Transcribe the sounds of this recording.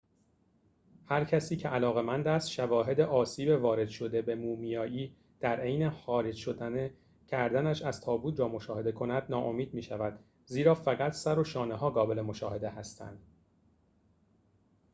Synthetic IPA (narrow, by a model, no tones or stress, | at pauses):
hæɾcʰæsiːcʰe̞ʔælɒːɣe̞mænd̪æst̪ʃævɒːɦe̞d̪eʔɒːsiːbe̞vɒːɾe̞d̪̥ʃo̞d̪e̞be̞muːmijɒːjiː | d̪̥æɾe̞jnexɒːɾe̞d͡ʒʃo̞d̪æne | cʰæɾd̪ænæʃæz̥t̪ʰɒːbuːt̪ʰɾɒːmo̞ʃɒːhe̞d̪e̞kʰo̞næd̪̥nɒːʔo̞̰miːd̪̚miːʃævæd̪̥ | ziːɾɒːfæɣæt̪ʰsæɾo̞ʃɒːneɦɒːɡɒːbe̞lemo̞ʃɒːhe̞d̪e̞hæst̪ʰæ̰nd̪̥